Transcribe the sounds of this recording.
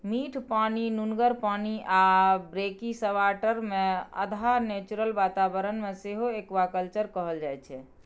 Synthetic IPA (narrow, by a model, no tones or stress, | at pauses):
miʈʰpaninunɡəɾpaniʔabɾekisəʋaʈəɾmeə̰d̪ʱanet͡ʃuɾəlbat̪abəɾənmeseɦoekʋakəlt͡ʃəɾkəɦəld͡ʒajt͡ʃʰɛ